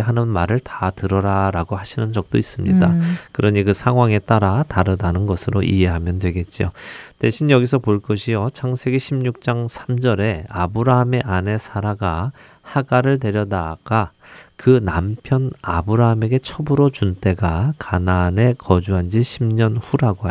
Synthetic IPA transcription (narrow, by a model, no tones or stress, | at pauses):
ɦanɯnmaɾɯɭtatɯɾʌɾaɾaɡohaɕʰinɯnd͡ʑʌk̚t͈ois͈ɯmɲḭdakɯɾʌɲikɯsʰaŋɦwaŋe̞t͈aɾataɾɯdanɯnɡʌsʰɯɾoʔḭɦe̞ɦamjʌndwe̞ɡe̞t̚t͡ɕ͈io̰te̞ɕʰinjʌɡisʰʌpoɭk͈ʌɕʰijot͡ɕʰaŋsʰe̞ɡeɕʰimɲuk̚t͡ɕ͈aŋsʰamd͡ʑʌɾe̞abɯɾaɦame̞ʔane̞sʰaɾaɡa | haɡaɾɯɭt̬e̞ɾjʌdaɡ̥a | kɯnampʰjʌnabɯɾaɦame̞ɡe̞t͡ɕʰʌbɯɾot͡ɕunt͈e̞ɡakanane̞kʌd͡ʑuɦand͡ʑiɕʰimɲʌnhuɾaɡoɦa